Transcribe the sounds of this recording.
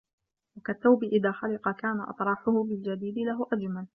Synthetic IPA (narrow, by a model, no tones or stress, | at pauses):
wakaθːawbɪʔɪðaːxalɪqɑkaːnaʔɑ̰t̪ˤɾˤɑːħʊhʊbɪld͡ʒad̪iːd̪ɪlaɦʊʔad͡ʒmal